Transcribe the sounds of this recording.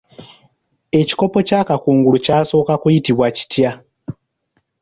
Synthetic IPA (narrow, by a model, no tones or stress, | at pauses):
e̞ci̥ko̞po̞caːkakuːŋɡulucaːso̞ːkakujitiβwaci̥tja